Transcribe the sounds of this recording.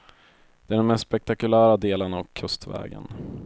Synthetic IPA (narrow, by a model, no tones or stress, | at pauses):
d̪̥ɛæɛːɖɛnmɛst̪ːspɛk̚t̪akɵlæːɾad̪eːlənavkʰɵst̪vɛ̰ːɡə̰n